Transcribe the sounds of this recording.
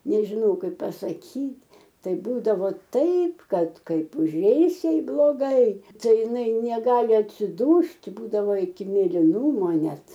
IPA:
nʲɛʒʲɪˈnɐʊ ˈkɐɪp pɐsɐˈkʲiːtʲ ˈtɐɪ ˈbuːdɐʋoː ˈtɐɪp ˈkɐt ˈkɐɪp ʊˈʒʲɛɪs ˈjɛɪ blˠoːˈɡɐɪ ˈtɐɪ ɪˈnɐɪ nʲɛˈɡɑːlʲɪ ɐtʲsʲɪˈduːsʲtʲ ˈbuːdɐʋoː ɪkʲɪ mʲeːlʲɪˈnʊmoː ˈnʲɛt

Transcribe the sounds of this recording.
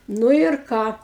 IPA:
ˈnʊ ɪr ˈkɑː

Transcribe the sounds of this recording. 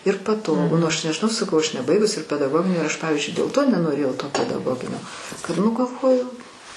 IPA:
ɪr pɐˈtoːɡʊ nʊ ɐʃ nʲɛʒʲɪˈnɐʊ sɐˈkɐʊ ɐʃ nʲɛˈbɐɪɡʊs ɪr pʲɛdɐɡˈoːɡʲɪnʲiː ɪr ɐʃ ˈpɑːʋʲɪzʲd͡ʒʲʊɪ dʲeːlˠ ˈtoː nʲɛnoːˈrʲeːjɛʊ toː pʲɛdɐˈɡoːɡʲɪnʲoː kɐt ˈnʊ ɡɐlˠˈʋoːjʊ

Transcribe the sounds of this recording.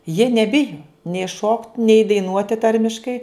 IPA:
jiɛ nʲɛˈbʲɪjoː nʲɛɪ ʃoːktʲ nʲɛɪ dɐɪˈnuɔtʲɪ ˈtɐrʲmʲɪʃkɐɪ

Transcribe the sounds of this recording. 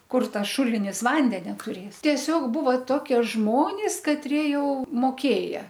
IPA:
ˈkʊr ˈtɐs ˈʃʊlʲɪnʲɪs ˈʋɐnʲdʲɛnʲɛ tʊˈrʲeːs tʲiɛˈsʲoːk ˈbuːʋɐ ˈtoːkʲiɛ ˈʒmoːnʲɪs kɐtʲˈrʲiɛ ˈjɛʊ moːˈkʲeːjɛ

